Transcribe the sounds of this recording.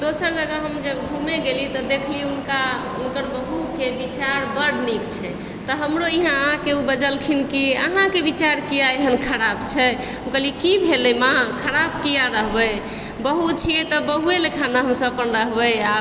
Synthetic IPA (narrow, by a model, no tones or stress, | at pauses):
d̪osəɾd͡ʒəɡəɦəmd͡ʒəɡbʱumeɡelit̪ɔd̪ekʰliunka | unkəɾbəɦukebit͡ʃaɾbəɽnikt͡ʃʰɛ | t̪ɔɦəmɾoiɦãəɦãkeubəd͡ʒəlkʰinkiə̰ɦãkebit͡ʃaɾkijaeɦənkʰəɾabt͡ʃʰɛ | ukəlikibʱelɛmakʰəɾabkijaɾəɦbəj | bəɦut͡ʃʰijɛt̪ɔbəɦuelekʰanaɦəmsəpənɾəɦbəja